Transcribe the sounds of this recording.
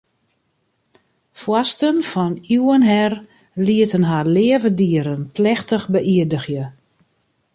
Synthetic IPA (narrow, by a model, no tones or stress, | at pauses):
fwɔstənfɔnuənɦɛr | liətənɦaːlɪəvədiəɾənplɛxtəxbəʔiədəɣjə